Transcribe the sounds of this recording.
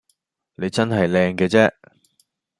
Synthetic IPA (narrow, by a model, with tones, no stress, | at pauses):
ne˨˧jt͡sɐ˥nɦɐ˨jlɛː˧ŋkɛː˧t͡sɛː˥